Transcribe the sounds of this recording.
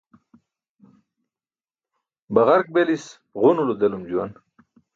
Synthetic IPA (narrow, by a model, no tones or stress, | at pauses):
bɐʁaɾk̚belis | ʁunulud̪elumd͡ʑuwan